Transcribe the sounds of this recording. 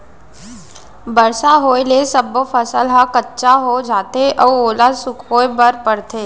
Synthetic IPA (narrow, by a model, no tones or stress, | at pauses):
bəɾsaɦoːelesəbofʰəsəlɦãkətːʃaɦod͡ʒaːt̪eʔɔʋoːlasʊkʰɦoːebəɾpəɾt̪ʰeː